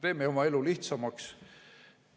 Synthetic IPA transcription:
t̪e̞ːmeo̞mɑe̞luliht̪sɑmɑks

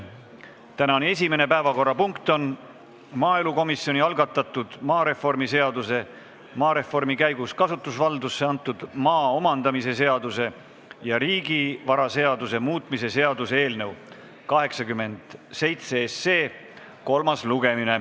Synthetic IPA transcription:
t̪ænɑne̞s̬ʲime̞ne̞pæe̞vɑko̞rːɑpuŋkt̪on | mɑːeluko̞misjo̞nʲiɑlɡɑt̪ːˑɑt̪ːˑud̪̥mɑːɾe̞fo̞rmise̞ɑd̪use̞ | mɑːɾe̞fo̞rmikæjɡuskɑsut̪ːˑusvɑld̪usːe̞ɑnt̪ːˑud̪̥mɑːo̞mɑnd̪̥ɑmise̞se̞ɑd̪use̞ | jɑɾiːɡivɑɾɑse̞ɑd̪use̞muːt̪ˑmise̞se̞ɑd̪usee̞ːlnew | kɑɦe̞ksɑkymːe̞nd̪̥se̞jt̪seesːe̞ː | ko̞lmɑsluɡ̥e̞mine̞

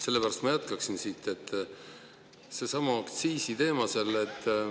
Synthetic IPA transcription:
se̞lːe̞pæɾɑst̪mɑjæt̪kɑksinsiːt̪ːˑe̞t̪ːˑ | se̞sɑmɑkt̪siːsit̪e̞ːmɑselet̪ːˑ

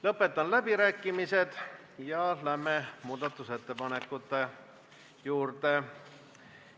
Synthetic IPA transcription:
lɤpːe̞t̪ˑːɑnlæbiɾæːkːˑimise̞d̪̥ | jɑlæmemuːd̪̥ɑt̪ːˑuse̞t̪ːe̞pɑne̞kːˑut̪ːˑe̞ | juːrt̪e

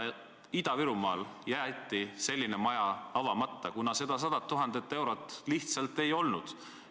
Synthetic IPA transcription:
id̪̥ɑviɾumɑ̰ːljæt̪ˑːise̞lʲːine̞mɑjɑɑvɑmɑt̪ːɑkunɑse̞d̪̥ɑs̬ɑd̪̥ɑt̪ːuɦɑnd̪̥e̞t̪ːˑe̞wɾo̞t̪ːˑliht̪sɑlt̪ːˑe̞jo̞lnud̪̥

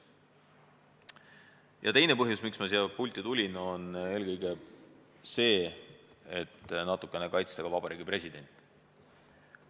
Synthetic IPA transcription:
jʔɑ̰t̪e̞jne̞pɤɦjusmiksmɑsiɑpulʲt̪ːˑit̪ulʲino̞ne̞ːlkɤjɡe̞ | se̞ː | et̪ːnɑt̪ːˑukːˑe̞ne̞kɑjt̪st̪ɑɡ̥ɑvɑb̥ɑɾiːɡipre̞sʲid̪e̞nʲt̪ˑ

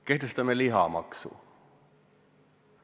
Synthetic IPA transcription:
ke̞ht̪e̞st̪ɑme̞liɦɑ̰mɑ̰ksṵ

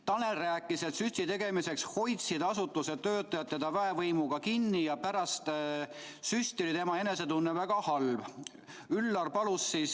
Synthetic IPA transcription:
t̪ɑnelræːkːˑise̞t̪sysʲt̪it̪e̞ɡ̥e̞mise̞ksho̞jt̪sid̪ɑsut̪ːˑuse̞t̪ːø̞ːt̪ːˑɑjɑt̪ːed̪̥ɑvæevɤjmuɡ̥ɑkinːijɑpæɾɑst̪ | sysʲt̪ilit̪e̞mɑe̞ne̞se̞t̪unːevæɡ̥ɑhɑlb | ylːɑrpɑlusːis

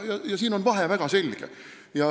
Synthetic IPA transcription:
jɑjɑsiːno̞nvɑɦevæɡ̥ɑse̞lʲɡ̥ḛ | jɑ

